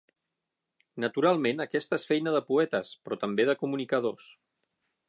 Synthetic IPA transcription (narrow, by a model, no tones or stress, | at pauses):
nət̪uɾalˠmenəkɛst̪əesfɛjnəðəpuɛt̪əspɾɔt̪əmbeðəkumunikəð̞os